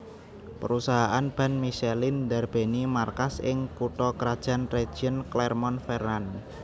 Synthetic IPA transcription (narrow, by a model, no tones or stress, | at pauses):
pə̰ɾusaɦaʔanb̥a̤nmiʃelindarb̥e̤nimarkasʔɪŋpuʈɔkəɾad̥ʒ̥a̤nred̥ʒ̥iənklɛrmɔnfɛran